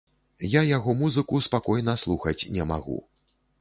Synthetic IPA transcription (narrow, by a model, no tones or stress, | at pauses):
jajaɣɔmuzɨkuspakɔjnɐslˠuxɐt͡sʲnʲɛma̰ɣṵ